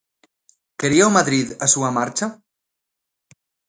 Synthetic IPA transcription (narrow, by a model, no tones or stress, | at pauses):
keɾiawmaðɾiðasuamaɾt͡ʃa